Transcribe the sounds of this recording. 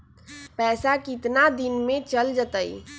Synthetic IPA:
pɛːsakɪt̪nad̪ɪnmẽt͡ʃəld͡ʒət̪əi

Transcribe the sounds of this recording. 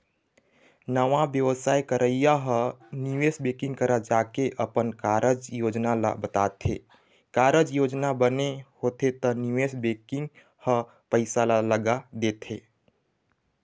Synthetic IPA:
nəʋãbjəʋəsaːjkəɾʔəijaɦəniwesbekɪ̃ŋɡ̚kəɾad͡ʒakeʔəpənkaɾəd͡ʒjod͡ʒnalbət̪at̪ʰe | kaɾəd͡ʒjod͡ʒnabənehot̪et̪əniʋesbekɪ̃ŋɡ | hə | pəɪsalləɡad̪et̪ʰe

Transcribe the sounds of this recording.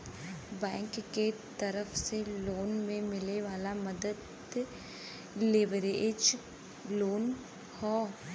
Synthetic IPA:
bɛ̃ːŋkːet̪əɾəfseloːnmẽmɪleʋaːlamɐd̪əd̪ | leʋəɾed͡ʒ | loːn | hɔː

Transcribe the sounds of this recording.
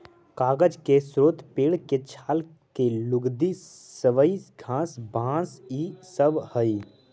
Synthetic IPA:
kaːɡəd͡ʒkesɾoːt̪peːɽket͡ʃʰaːl | kelʊɡd̪isəʋəiɡʱãːsbʱãːsisəbhəi

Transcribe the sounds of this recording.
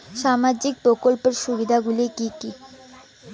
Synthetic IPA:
ʃamad͡ʑik̚pɾokolpeɾʃubid̪ʱaɡulikiki

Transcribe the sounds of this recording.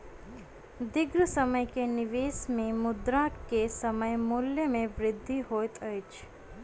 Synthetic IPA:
d̪ɪɡɾəsəməjkenɪʋeːsmẽmʊd̪ɾaːkkesəməjmʊljəmẽʋɾɪd̪ʱːiɦoːt̪ət͡ʃ

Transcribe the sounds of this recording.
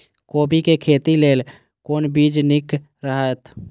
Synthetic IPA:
koːbikekʰeːt̪ileːl | koːnbiːd͡ʒnɪk | ɾəɦat̪

